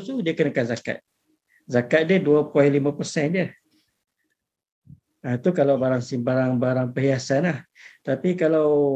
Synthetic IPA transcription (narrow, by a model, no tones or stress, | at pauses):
sudiəkənakanzaka̰t̪̚ | zakat̪̚diəduapɔilimãpərsɛndjə | at̪ukalawbaɾaŋsimbaɾaŋbaɾaŋpəɦiasanlaht̪apikalaw